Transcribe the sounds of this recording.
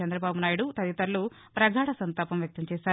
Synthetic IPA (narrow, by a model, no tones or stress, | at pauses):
ɛnd̪ɾɐbaːbunaːjuɽut̪ɐd̪it̪ɐɾlu | pɾɐɡʱaːɽɐsɐnt̪aːpɐmjɐk̚t̪ɐmt͡ʃɛːʃaːɾ